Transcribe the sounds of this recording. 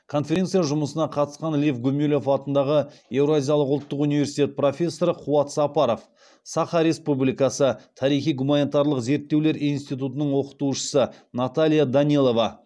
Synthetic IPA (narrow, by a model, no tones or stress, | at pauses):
kʰo̞nfʲe̞ɾe̞nt̪sijaʒʊməsənɑqʰɑt̪əsqɑnlifɡɵmelʲo̞fɑt̪ənd̪ɑʁəjewɾoazʲijalˠəqʊlˠt̪ːəqunivesi̥t̪e̞t̪̚pro̞fʲe̞sːo̞ɾəqʰuɑt̪sɑpɑɾo̞f | sɑχɑɾe̞spublijkɑsət̪ʰɑɾijχijɡumanit̪ɑɾlˠəqze̞ɾt̪ːe̞wle̞ɾijnst̪ijt̪̬ut̪ənəɴwo̞qə̥t̪uʃə̥sənat̪alʲijad̪anilˠo̞vɑ